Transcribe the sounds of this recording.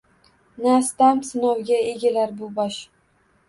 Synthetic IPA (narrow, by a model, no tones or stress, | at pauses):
nast̪amsɪnɒwɡʲaeɡʲalaɾbʊbɒʃ